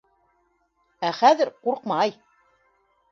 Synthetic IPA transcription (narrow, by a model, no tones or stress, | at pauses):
æχæðɘɾquɾqmɑj